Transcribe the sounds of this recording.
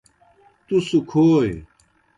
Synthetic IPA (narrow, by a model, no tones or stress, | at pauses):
t̪usukʰoːj